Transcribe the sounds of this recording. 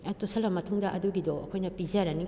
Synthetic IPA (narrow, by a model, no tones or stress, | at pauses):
ɐtosɐlɐmɐtʰuŋdɐʔɐduɡidoɐ̰kʰojnɐpiziaɾɐni